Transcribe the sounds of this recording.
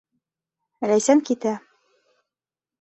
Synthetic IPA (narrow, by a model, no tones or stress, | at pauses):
ɾæjsæŋkit̪æ